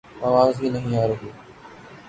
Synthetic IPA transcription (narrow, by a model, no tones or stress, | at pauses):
aːʋaːzɦiːnəɦĩːaːɾoɦuː